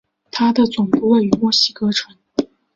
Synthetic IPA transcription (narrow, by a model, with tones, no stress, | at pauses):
t̪ʰa˥d̪ə˨t͡sʊ˨˩ŋpu˥˧we˥˩ɪy˧˥mwɔ˥˩ɕi˥kɤ˥ʈ͡ʂʰwə˧˥n